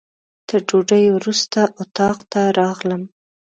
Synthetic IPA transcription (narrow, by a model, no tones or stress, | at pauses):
t̪əɾd͡ʒoɖəjwɾust̪aʔʊt̪ɑqt̪aɾɑɣləm